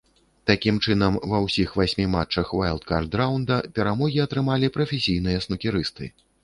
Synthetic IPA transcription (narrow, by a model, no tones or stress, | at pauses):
t̪akʲimt͡ʂɨnɐmvɐwsʲixvasʲmʲimat͡ʂɐxvajlˠt̪ka̰rd̪ɾawnd̪ɐpʲɛɾamɔɣʲiɐt̪ɾɨmalʲipɾɐfʲesʲijnɨjɐsnukʲiɾɨst̪ɨ̰